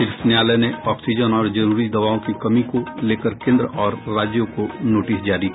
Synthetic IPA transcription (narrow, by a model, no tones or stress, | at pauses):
ɪɾfnjaːlɛneɔːksɪd͡ʒənɔːɾd͡ʒɐɾuːɾid̪ɐʋaːõkikɐmikoleːkəɾkẽːnd̪ɾɔːɾːaːd͡ʒjõkonoːʈɪsd͡ʒaːɾi